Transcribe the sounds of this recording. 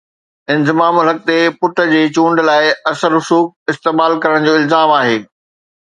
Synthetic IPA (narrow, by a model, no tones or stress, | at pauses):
ɪ̃nzɪmaːmʊlɦɐk̚t̪epʊʈə̆d͡ʑeːt͡ɕũːɳɖlaːɪɐsəɾʊsuːk̚ɪst̪eːmaːlkɐɾəɽ̃d͡ʑoːɪlzaːmaːɦeː